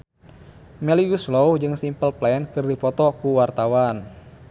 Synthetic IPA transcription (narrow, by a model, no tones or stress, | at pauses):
mɛliɡuslowd͡ʒɨŋsimpəlplɛɛnkɨrdifɔt̪ɔkuwart̪awan